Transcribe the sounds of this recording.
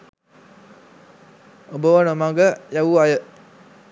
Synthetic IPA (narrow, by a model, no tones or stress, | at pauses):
obəwanomãɡəjawuajəʔ